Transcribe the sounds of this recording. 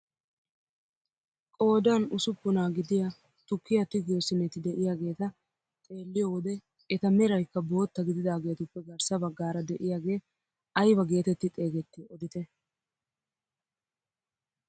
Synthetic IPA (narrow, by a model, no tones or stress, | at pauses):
kʼo̞ːd̪anʊsʊpːʊnaːɡɪd̪ɪja | t̪ʊkːɪjɐt̪ɪɡoːsɪnɛt̪ɪd̪ɛʔɪjaːɡe̞ːt̪ɐ | t̪ʼe̞ːlːɪjoːwɔd̪ɛ | ɛt̪ɐmɛɾɐjkːɐbo̞ːt̪ːɐɡɪd̪ɪd̪aːɡe̞ːt̪ʊpːɛɡɐɾsɐbɐɡːaːɾɐd̪ɛʔɪjaːɡe̞ː | ʔɐjbɐɡe̞ːt̪ɛt̪ːɪt̪ʼe̞ːɡɛt̪ːɪɔd̪ɪt̪ɛ